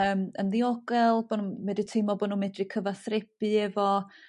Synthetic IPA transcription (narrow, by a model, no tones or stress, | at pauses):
əːmənðiɔɡɛlˠbɔnunmɛdətʰɪmɔbɔnunmɛdrikʰəvaθrɪpɨɛvɔ